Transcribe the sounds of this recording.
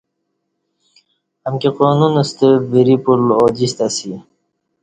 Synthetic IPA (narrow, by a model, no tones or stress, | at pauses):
əmkeqoːnunəst̪ebiɾipulod͡ʑist̪asi